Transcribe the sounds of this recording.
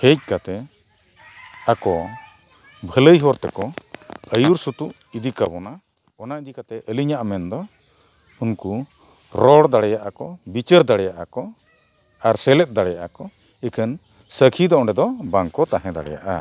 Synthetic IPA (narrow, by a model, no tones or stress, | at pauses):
hec̚kat̪ɛ | akɔ | bʱələjɦɔɾt̪ɛ̰kɔəjuɾsut̪uʔ | id̪ikabɔna | ɔnaʔid̪ikat̪ɛʔəliɲaʔmɛnd̪ɔ | unku | ɾɔɽd̪aɽɛjaʔakɔbit͡ʃəɾd̪aɽɛjaʔakɔ | aɾsɛlɛt̪̚d̪aɽɛjaʔa̰kɔ | ɛkʰən | səkʰid̪ɔʔɔ̃ɖɛd̪ɔbaŋkɔt̪aɦɛ̃d̪a̰ɽɛ̰ja̰ʔa̰